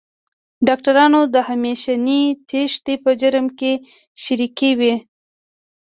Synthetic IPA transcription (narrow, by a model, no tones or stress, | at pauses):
ɖɑk̚ʈaɾɑnod̪əhameʃanit̪ʰeʃt̪epəd͡ʒaɾəmke | ʃaɾikewi